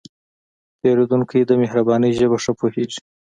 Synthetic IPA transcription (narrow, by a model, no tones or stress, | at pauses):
p̪eɾod̪uŋkʰajed̪əmehɾabɑnəjʒəbaʂəpoheʐi̥